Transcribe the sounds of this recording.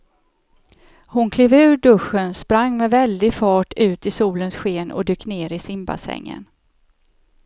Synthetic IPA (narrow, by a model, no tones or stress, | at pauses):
hʊnkʰleːvʉ̟ːɖɵɧːənspɾaŋːmɛvɛld̪ɪfɑːʈʉ̟ːt̪ɪsuːlənsɧeːnʔɔ̰d̪yːkːneːɾɪsɪmba̰sɛ̰ŋːə̰n